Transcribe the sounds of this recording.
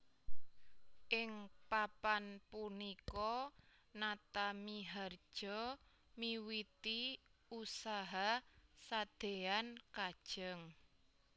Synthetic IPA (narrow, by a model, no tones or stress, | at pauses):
ʔɪŋpapanpunikɔ | nat̪amiɦar̥ʒ̥ɔ | miwit̪iusaɦasad̪̥eankad̥ʒ̥əŋ